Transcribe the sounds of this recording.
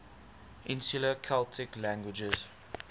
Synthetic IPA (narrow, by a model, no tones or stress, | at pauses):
ʔɪ̃nsuləkʰaltʰɪklæ̃ŋɡwɪd͡ʒəz̥